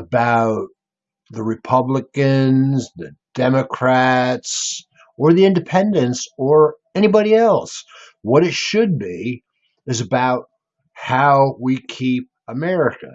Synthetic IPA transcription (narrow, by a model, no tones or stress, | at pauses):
əbaʊt̪̚ | ðɨɹɨpʰʌbləkɨ̃nzðɨd̥ɛmɨkʰɹ̥æts | ə˞ðiɪ̃ndɨpʰɛ̃ndɨ̃ntsə˞ | ɛñibɑɾiɛlˠs | wʌɾɨtʃɨd̚bi | ɨzɨbaʊt̚ | haʊwikʰip̚əmɛɹɨkɨ̰